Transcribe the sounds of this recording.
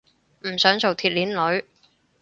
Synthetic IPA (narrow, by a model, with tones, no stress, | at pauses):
m̩˨˩sœː˨˥ŋso˨wt̪ʰiː˨t̚liː˨˥nlɵ˨˥ɥ